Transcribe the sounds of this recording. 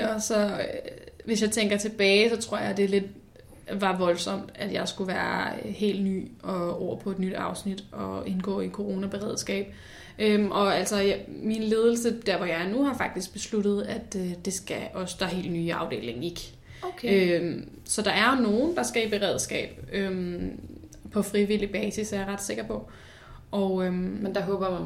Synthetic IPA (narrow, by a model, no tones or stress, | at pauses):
ɒ̽sɒ̽ | ʋe̝s̬jɑ̈ɪt͡sʰeŋ̰ɡ̥ɐt͡sʰe̝b̥ɛːɪsɒ̽t͡sʰʁo̝ɐ̰jɑ̈d̥e̝le̝d̥ | ʋɑ̈ʋɒ̽lsɒ̽m̰d̥æd̥jɑ̈ɪsɡ̥uʋæːɐhe̝̰ːld̥ny̰ːɒ̽ɒɐ̰pʰɒ̽e̝d̥nyd̥ɑ̈ʊsnid̥ɒ̽e̝nɡ̥ɔ̰ːi̥kʰo̝ʁo̝ːnæb̥e̝ʁɛð̞̰ˠsɡ̥ɛ̰ːb̥̚ | ʔømʔɒ̽æl̰sɒ̽minle̝ːð̞ˠl̩səd̥æɐ̰ʋɒjɑ̈ɪɐnuhɑ̈fɑ̈ɡ̥̚d̥isɡ̥̚b̥e̝slud̥ð̞̩ˠæd̥d̥e̝sɡ̥æʔɒ̽səd̥ɑɦe̝̰ːld̥nyːɑ̈ʊd̥e̝̰ːle̝ŋ̩e̝ɡ̥ | øm | sɒ̽d̥ɑ̈æɐno̝ːn̩d̥ɑ̈sɡ̥æib̥e̝ʁɛð̰ˠsɡ̥ɛ̰ːb̥øm | pʰɒ̽fʁiʋilib̥ɛːsisæɐjɑ̈ʁɑ̈d̥se̝ɡ̥ɐpʰɒ̽ | ʔɒʊømmend̥ɑ̈ɦɔ̽ːb̥ɐm